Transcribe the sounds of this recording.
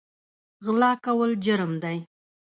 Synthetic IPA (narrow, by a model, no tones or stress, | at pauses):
ɣlɑkawəld͡ʒəɾmd̪aj